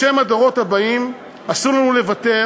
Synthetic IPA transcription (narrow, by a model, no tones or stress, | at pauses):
e̞mad̪oʁo̞thabaim | asuʁlanule̞vat̪e̞